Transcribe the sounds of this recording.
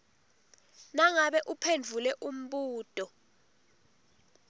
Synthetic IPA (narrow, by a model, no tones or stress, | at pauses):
naŋaɓɛʔupʰend͡ɮʱulɛʔum̩ɓuːd̥ʱʼɔ